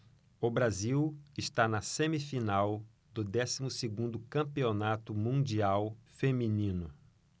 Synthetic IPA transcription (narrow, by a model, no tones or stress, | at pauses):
ʊbɾaziwɪst̪anɐsẽmifinaw | d̪ʊd̪ɛsimʊseɡũd̪ʊkɐ̃mpionat̪ʊmũd͡ʒiawfemĩnĩnʊ